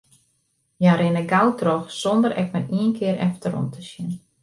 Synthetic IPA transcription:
jaɾɪnəɡawtʰrɔxsɔndəɾɛk̚mɛniənkʰɪəɾʔɛ̰ftəɾɔ̰mtʰəsjɪn

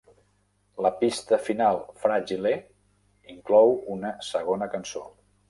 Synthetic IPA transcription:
ləpist̪əfinalˠfɾaʒile | iŋklɔwunəsəɣonəkənso

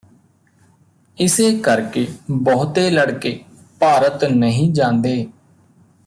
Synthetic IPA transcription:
ɪseːkəɾkeːbɔːt̪eːləɽkeː | paːɾət̪nəɦĩːd͡ʒãːnd̪eː

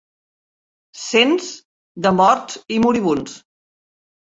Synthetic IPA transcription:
senz | d̪əmɔɾtimuɾiβ̞uns

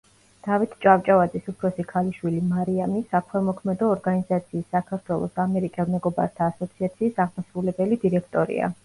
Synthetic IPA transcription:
d̪̥avit̪ʰt͡ʃʼavt͡ʃʼavad̪zisupʰɾɔsikʰaliʃwilimaɾiamisakʰwɛmɔkʰmɛd̪ɔːɾɡanizat̪sʰiːsːakʰaɾt̪ʰwɛlˠɔ̰samɛɾikʼɛlˠmɛɡɔba̰ɾt̪ʰaːsɔt̪sʰiat̪sʰiːsaʁmasɾulɛbɛlid̪iɾɛkʰt̪ʼɔɾḭa̰

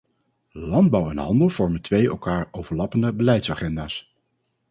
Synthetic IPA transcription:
lɑnd̚bɑwɛnɦɑ̰ndəlˠv̥ɔɹməntʋejɛ̰lˠkaːɹowvəɹlɑpəndəbəlɛjtsaχɛndaːs

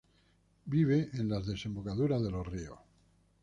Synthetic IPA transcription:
biβ̞eʔenlazðesẽ̞mbokaðuɾaðe̞lorio̰

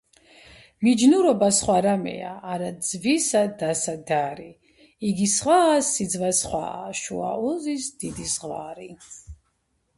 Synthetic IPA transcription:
mid͡ʒnuɾɔbasχwaɾamɛ̰aːɾazvisad̪asad̪aɾi | iɡisʁwaːsːid̪zvasχwa̰ʃṵa̰ɔzisd̪̥id̪isʁwaːɾi

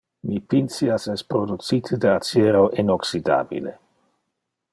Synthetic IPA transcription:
mipinsiasɛspɾodut̪t͡sit̪ʰədeat͡seɾoʔinoksida̰ːbḭlḛ

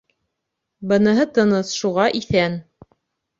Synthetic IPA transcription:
bɤ̆nɤ̆ɦɤt̪ɤ̆nɤsʃuʁɑʔiθæn

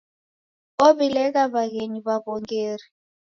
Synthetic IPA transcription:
oɓilɛk̬aɓaɣeniɓaɓɔŋɡeːri

